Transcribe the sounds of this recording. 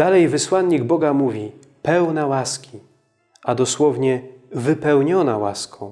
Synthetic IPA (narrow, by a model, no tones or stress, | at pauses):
d̪̥alɛjvɘswanɲiɡbɔɡamuvʲi | pɛwnawaskʲi | ʔad̪ɔswɔvɲɛvɘpɛwɲɔnawa̰skɔ̃w̃